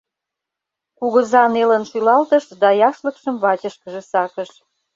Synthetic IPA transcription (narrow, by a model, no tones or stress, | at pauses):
kuɣə̆zɑnelənʃylɑlt̪əʃd̪ɑjɑʃlə̆kʃəmβɑt͡ɕəʃkə̆ʒĕsɑkəʃ